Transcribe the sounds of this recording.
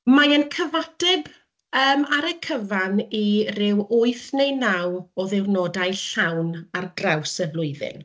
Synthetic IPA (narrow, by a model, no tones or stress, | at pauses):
majənkʰəvatɛb | əːmaɾəkʰəvanirɪwʊɨθnejnawɔðɪwnɔdajɬawnarɡrawsəblˠʊɨðɪ̰n